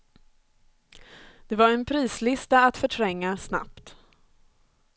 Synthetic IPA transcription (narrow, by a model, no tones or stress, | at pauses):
d̪̥ɛvaɾɛnpʰɾiːslɪst̪aːt̪fœʈʰɾɛŋːasna̰pt̪